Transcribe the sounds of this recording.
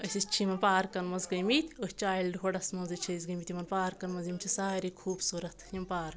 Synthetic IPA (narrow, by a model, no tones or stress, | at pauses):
ɐsʲist͡ʃʰimɐnpaːɾkɐnmɐzɡɐjmit̪ʲosʲt͡ʃaːjilɖɦoɽɐsmɐnzɐt͡ʃʰɐiz̬ɡɐmit̪ʲimɐnpaːɾkɐnmɐzimt͡ʃʰisaːɾikʰuːbsuːɾɐt̪ʰjimpaːɾ